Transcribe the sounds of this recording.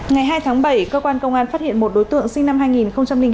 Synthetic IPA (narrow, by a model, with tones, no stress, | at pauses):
ŋa˨˩jɦaː˧jt̪ʰaː˨˦ŋɓə˧˩jkəː˧kwaː˧nkə˧wŋ͡mʔaː˧nfaː˦˥t̚hḭ˧˨ənmo˨˩t̚ɗo˨˦jt̪ɨ̰˧˨ŋsï˧ŋna˧mɦaː˧jŋi˨˩nxə˧wŋ͡mt͡ɕa˧mli˧ŋ